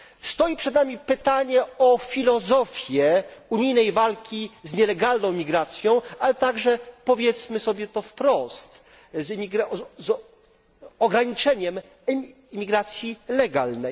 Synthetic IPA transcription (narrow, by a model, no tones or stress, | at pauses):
st̪ɔjipʂɛd̪namʲipɘt̪aɲɛɔfʲilɔzɔfʲjɛuɲijnɛjvalkʲizɲɛlɛɡalnɔ̃w̃mʲiɡɾat̪sʲjɔ̃w̃alɛt̪aɡʐɛpɔvʲjɛt̪smɘsɔbʲjɛt̪ɔfpɾɔst̪ | zmʲiɡaz | ɔɡɾaɲit͡ʂɛɲɛm | mʲiɡɾat̪sʲjilɛɡalnɛj